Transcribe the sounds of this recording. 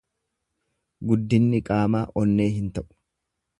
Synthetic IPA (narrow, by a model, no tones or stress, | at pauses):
ɡʊd̪ːɪnːɪkʼaːmaːʔɔnːe̞ːɦɪnt̪ɐʔʊ̥